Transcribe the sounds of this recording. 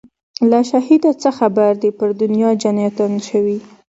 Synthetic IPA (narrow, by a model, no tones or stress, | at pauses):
laʃahid̪at͡səxabaɾd̪epəɾd̪ʊnjɑd͡ʒanjat̪anʃəwi